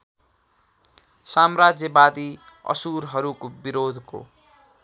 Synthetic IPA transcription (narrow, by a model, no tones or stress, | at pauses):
samrad͡zjʌbad̪iʌ̰suɾɦʌɾukobiɾod̪ʱko̰